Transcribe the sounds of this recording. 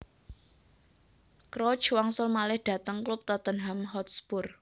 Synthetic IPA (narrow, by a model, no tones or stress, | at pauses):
kɾɔ̥t͡ʃwaŋsʊlmalɪhɖ̥ä̤t̪əŋklʊp̚t̪at̪ənɦamɦɔt̪sbʊr